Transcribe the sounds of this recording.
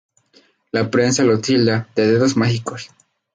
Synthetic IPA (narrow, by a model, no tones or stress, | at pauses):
lapɾensalot̪ilad̪eðeðosmaxikos